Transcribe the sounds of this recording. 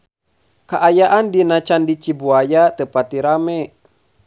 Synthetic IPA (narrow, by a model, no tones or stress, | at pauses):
kaʔajaʔandinat͡ʃandit͡ʃibuajat̪əpat̪iɾamɛ